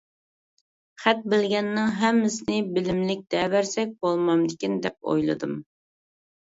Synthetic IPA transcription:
χæt̪̚bɪlɡʲɛnːɪŋɦɛmːɪsɪnɪbɪlɪmlɪk̚ʲd̪̥ɛvæɾsɛk̚ʲbolˠmɑmd̪ɪkʲind̪ɛp̚o̰jlˠɨ̰d̪ɨm

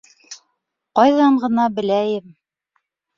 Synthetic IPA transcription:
qɒjðɑɴɢɤ̆nɑbɘ̆læjɘm

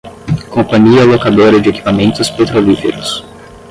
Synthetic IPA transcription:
kõpɐ̃ɲiɐlokad̪oɾɐd͡ʒɪeki̥pamẽnt̪ʊspet̪ɾolifḛɾʊs

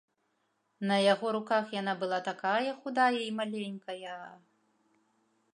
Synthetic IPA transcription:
nɐjaɣɔɾukaxjan̪abɨlˠat̪akajɐxud̪ajɐimalʲenʲkɐjɐ

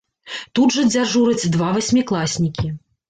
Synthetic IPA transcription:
t̪udʐɐd͡zʲaʐuɾɐt͡sʲd̪vavasʲmʲiklˠasʲnʲikʲi

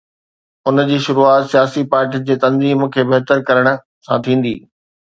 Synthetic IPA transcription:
ʊnd͡ʑiːʃʊɾuaːt̪sijaːsipaːɾʈid͡ʑeːt̪ɐ̃nziːmkʰeːbɐɦt̪əɾkɐɾəɽ̃ʊ̆ | sã̰t̪ʰĩːn̆d̪ḭː

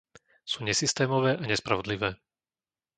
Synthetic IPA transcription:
suːɲɛsist̪ɛːmɔʋɛːʔaɲɛspɾaʋɔd̪liʋɛː

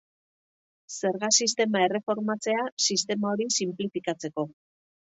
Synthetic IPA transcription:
se̞ɾɣasist̪e̞mae̞re̞fo̞ɾmat͡se̞asist̪e̞mao̞ɾisimplifikat͡se̞ko̞

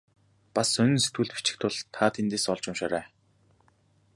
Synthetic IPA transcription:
pasœnɵ̆nset̪ɡuːɮt̪pi̥t͡ɕɪ̥̆xt̪ʰʊɮt̪ʰːaːt̪ʰent̪eːsɔɮt͡ɕʊmʃaːɾæː

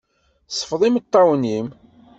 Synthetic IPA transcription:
sˤə̥fðˤimət̪ˤːɑwənim

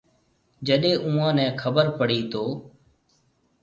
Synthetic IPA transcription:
d͡ʒəɗẽːʔũːãːnɛ̃ːkʰəbəɾpəɽ̤iːt̪oː

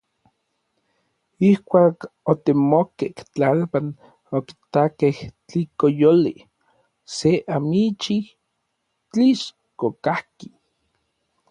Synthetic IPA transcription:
ihkʷaːkot̪emokeht͡ɬalpan | oki̥t̪akeht͡ɬikojoli | seʔamit͡ʃih | t͡ɬiʃ | kokahki

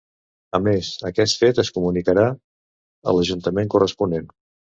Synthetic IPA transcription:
əmezəkɛt̪fet̪əskumunikəɾa | ə̰ləʒunt̪əmeŋkurəspunen

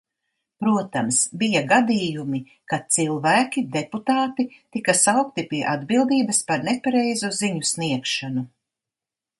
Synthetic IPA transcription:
pɾuɔt̪amsbijaɡad̪iːjumi | kat̪silˠvæːkʲid̪eput̪aːt̪it̪ikasawk̚t̪ipiɛʔad̪bilˠd̪iːbɐspaɾnepaɾɛjzuziɲusniɛkʃanu

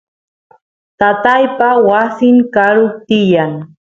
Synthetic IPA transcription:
t̪at̪ajpawasɪŋkaɾʊk̚t̪ɪjaŋ

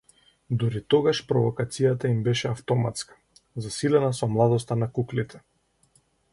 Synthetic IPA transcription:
d̪uɾit̪ɔɡaʃpɾɔvɔkat̪sijat̪aimbɛʃɛaft̪ɔmat̪skḁ | zasilɛnasɔmlˠad̪ɔst̪anakuklit̪ʰɛ

